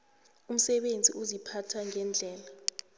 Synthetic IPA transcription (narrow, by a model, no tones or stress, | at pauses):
um̩sɛɓend͡zʱḭʔuzipʰatʰaŋʱɛnd͡ɮʱɛːla